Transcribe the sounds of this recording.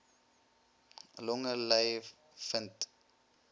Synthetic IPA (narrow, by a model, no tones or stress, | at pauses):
lɔ̃ŋəlajv | fənt